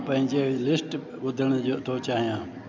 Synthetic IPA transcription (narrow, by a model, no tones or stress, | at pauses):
pə̃ɦɪ̃d͡ʒelɪsʈ | ʋʊd̪ʱəɽ̃ot̪ʰot͡ʃaːɦijãː